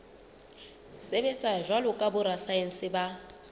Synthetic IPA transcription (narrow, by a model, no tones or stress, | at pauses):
sebet͡sʼaʒwalʊkʼabʊɾasaen̩sɪba